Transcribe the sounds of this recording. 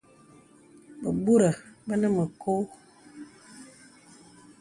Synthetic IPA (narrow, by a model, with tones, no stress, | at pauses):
bə˨bu˦ɾə˨bə˦nə˦mə˨kʰo˦